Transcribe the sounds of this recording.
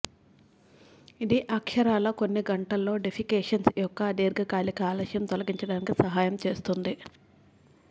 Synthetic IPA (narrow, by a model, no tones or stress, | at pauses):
id̪iʔɐkʂɐɾaːlɐko̞nːiɡɐɳʈɐlːo̞ːɖepʰikeːʂɐnsjɔkːɐd̪iːɾɡɐkaːlikaːlɐʃjɐmt̪ɔlɐɡiɲt͡ʃɐɽaːnikisɐɦaːjɐmt͡ʃe̞ːst̪und̪i